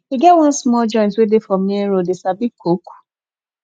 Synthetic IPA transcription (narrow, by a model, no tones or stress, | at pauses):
iɡɛwãnsmɔld͡ʒɔ̃ɪ̃ntwedefɔmneɾodesabikʰoku̥